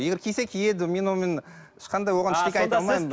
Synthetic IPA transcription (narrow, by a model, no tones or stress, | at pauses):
je̞ɡʲeɾkʲʰijse̞kʲʰije̞d̪ɪme̞nwomen | ɪʃqɑnd̪ɑjwo̞ʁɑnɪʃkekʲɑɑjt̪ɑlˠmɑjmə